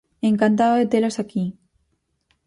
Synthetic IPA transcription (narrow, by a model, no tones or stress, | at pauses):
eŋkant̪̬aðoðet̪elosaki